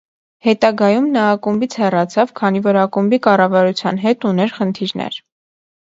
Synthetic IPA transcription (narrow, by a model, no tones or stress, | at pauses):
hɛt̪ɑɡɑjumnɑːkumbit͡sʰhɛrɑt͡sʰɑvkʰɑnivɔɾɑkumbikɑrɑvɑɾut͡sʰjɑnɦɛt̪unɛɾχənt̪ʰiɾnɛ̰ɾ